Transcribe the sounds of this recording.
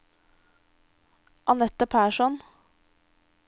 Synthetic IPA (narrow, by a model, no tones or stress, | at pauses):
ʔɑnɛt̪ːəpʰæːʂɔn